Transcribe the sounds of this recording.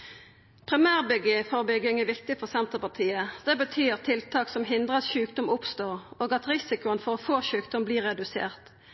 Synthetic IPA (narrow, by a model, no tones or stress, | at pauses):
pʰʁɪmæːʁbʏɡəfɔʁbʏɡəŋəʋɪkt̪ɪfɔʁsɛnt̪əʁpɑʁt̪ʰiːəd̪̥ɛbət̪ʰyːʁt̪ʰɪlt̪ʰɑːksɔmɦɪnd̪ʁəsʃʉːkd̪ɔmʔʊpst̪oːʁoːɡɑt̪ʁɪsɪkʊənfɔʁofoːʃʉːk̚d̪ɔmbliːʁɛd̪ʉsḛːʁt̪